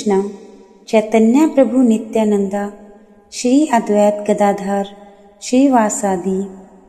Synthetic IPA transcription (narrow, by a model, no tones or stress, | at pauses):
ɳɐ | t͡ʃɐːt̪ɐnjapɾɐbʱunit̪jaːnɐnd̪a | ʃɾiːɐd̪ʋɐjat̪ɡɐd̪aːd̪ʱaːɾ | ʃɾiːʋaːsaːd̪i